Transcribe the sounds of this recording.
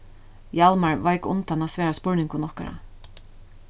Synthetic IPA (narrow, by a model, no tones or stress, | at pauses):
jalmaɹʋajkʊ̰nt̪anasvɛːɾaspʊɹnɪŋkʊnɔhka̰ɹa̰